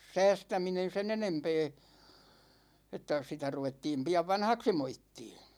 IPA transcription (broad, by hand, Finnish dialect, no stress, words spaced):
sæːstæminen̞ sen enempeː etːæ sitæ ruʋetːiːm piɑʋ ʋɑnhɑksi moitːiː